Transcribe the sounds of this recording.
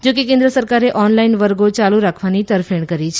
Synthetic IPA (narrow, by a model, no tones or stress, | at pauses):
d͡ʒokekẽnd̪ɾəsəɾkaɾeʔɔnlainʋəɾɡot͡ʃaluɾakʰʋanit̪əɾfeɳkəɾit͡ʃʰ